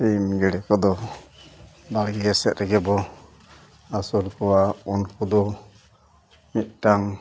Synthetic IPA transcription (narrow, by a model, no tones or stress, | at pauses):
pimɡɛɽɛkɔd̪ɔ | baɽɡɛɛsɛt̪̚ɾɛɡɛbɔ | asɔɾkɔwaɔnkud̪ɔ | mit̪̚ʈaŋ